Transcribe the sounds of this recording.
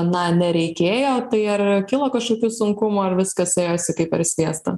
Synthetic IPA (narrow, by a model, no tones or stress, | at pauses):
nɐnʲɛɾʲɛɪkʲeːjoːt̪ɐɪɐrkʲɪlˠɐkɐʃkoːkʲuːsʊŋkʊmuːɐrʋʲɪskɐseːjoːsʲɪkɐɪpɐɾsʲʋʲiɛst̪ɐ̰